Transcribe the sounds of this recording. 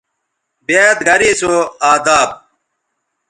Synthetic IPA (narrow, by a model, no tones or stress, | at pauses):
beːt̪ɡʱɐɾiːsoːaːd̪aːb̚